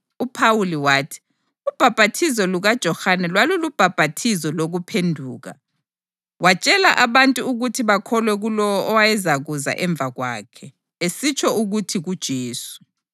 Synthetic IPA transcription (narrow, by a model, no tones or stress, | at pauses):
upʰawuliwaːtʰi̥ | ub̥ʱab̥ʱatʰisɔluɣad̥ʒ̥ʱɔhanɛlwalulub̥ʱab̥ʱatʰizɔloɣupʰendʱuːɣa̰ | wat͡ʃʼɛla̰ʔaβantʼuuɣutʰiβakʰɔlwɛɣulɔwɔʔɔwajɛzaɣuza̰ʔɛɱb̪vʱaɣwa̰ːkʰɛ | esit͡ʃʰɔuɣutʰiɣud̥ʒ̥ʱeːsu̥